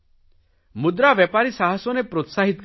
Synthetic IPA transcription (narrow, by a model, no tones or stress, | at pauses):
mud̪ɾabjepaɾisaɦɔsɔnepɾot̪saɦit̪ɔk